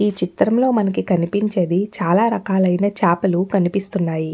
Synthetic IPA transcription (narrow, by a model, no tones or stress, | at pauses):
iːt͡ʃit̪ɾɐmlo̞ːmɐnɐk̬ikɐnipiɲt͡ʃe̞ːd̪it͡ʃaːlaːɾɐkaːlɐjnɐt͡ʃaːpɐlukɐnipist̪unːaːji